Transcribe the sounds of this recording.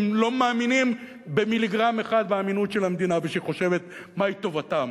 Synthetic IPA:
mlo̞maːminim | bemiliɡʁameχad̪̚beaminutʃe̞lamed̪inaveʃeiχo̞ʃe̞ve̞t̪ | mait̪o̞vat̪am

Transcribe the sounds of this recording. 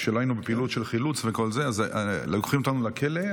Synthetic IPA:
ʃelajnubepilutʃe̞lχilut͡sveko̞lzeazlokχimot̪anulakʰele

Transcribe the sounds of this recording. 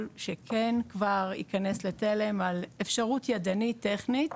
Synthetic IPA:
lʃekʰenkvaʁḭkane̞slet̪elemalefʃaʁut̪jadanit̪ːeχnit̪

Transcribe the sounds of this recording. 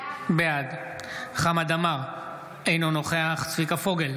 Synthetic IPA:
bead̪ | χamad̪amaʁ | ejnono̞χeaχt͡svikafo̞ɡel

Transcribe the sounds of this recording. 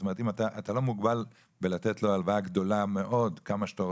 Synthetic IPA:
tome̞t̪imat̪aʔat̪alo̞muɡbal | belatetlo̞alvaaɡd̪o̞lame̞ʔo̞dkamaʃt̪a

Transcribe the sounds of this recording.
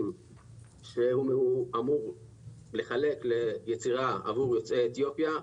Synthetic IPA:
m | ʃe̞humeuamuʁ | le̞χale̞kle̞jet͡siʁaa̰vuʁjo̞t͡seːt̪jo̞pja

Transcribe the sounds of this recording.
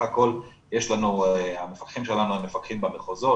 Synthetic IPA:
ako̞l | jeʃlanueamefakχimʃe̞lanuemːefakχimbameχozo̞

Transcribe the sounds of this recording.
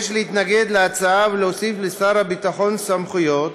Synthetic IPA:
ʃleit̪naɡe̞d̪leat͡saaveleosiflesaɾhabit̪aχo̞nsamχujo̞t̪

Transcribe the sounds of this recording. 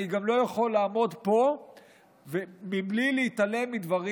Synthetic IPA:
iɡamlo̞jaχo̞lːaːmo̞d̪po̞ | vemiblileit̪ale̞mːid̪vaʁi

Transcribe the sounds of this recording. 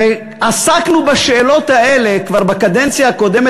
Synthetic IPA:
e | asaknubaʃeːlo̞t̪haʔele̞kvaʁbakad̪ent͡sijaako̞d̪e̞me

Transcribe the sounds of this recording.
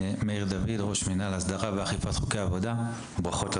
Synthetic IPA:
mejʁd̪avidʁo̞ʃminalasd̪aʁaveaχifat̪χu̥keaːvo̞da | bʁaχo̞t

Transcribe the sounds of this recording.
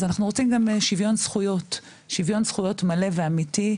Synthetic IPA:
zanaχnuʁot͡simɡamʃivjo̞nsχujo̞t | ʃivjo̞nsχujo̞tmale̞ve̞amiti

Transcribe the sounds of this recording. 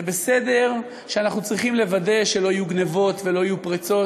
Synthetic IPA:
ebese̞d̪e̞ʁ | ʃeanaχnut͡sʁiχimle̞vade̞ʃe̞lo̞ajuɡnevo̞t̪ve̞lo̞ajupʁit͡so̞

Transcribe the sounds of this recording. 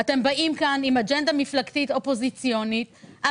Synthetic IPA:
at̪e̞mbaʔimkanimad͡ʒend̪amiflakt̪it̪o̞po̞zit͡sjo̞nita

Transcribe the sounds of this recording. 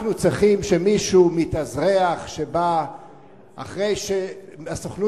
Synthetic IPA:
nut͡sʁiχimʃemiʃumit̪azʁeaχʃe̞ba | a̰χʁejʃeasoχnu

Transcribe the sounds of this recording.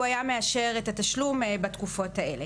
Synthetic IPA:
ajameaʃe̞ʁetataʃlumbat̪kufo̞thae̞̰le̞

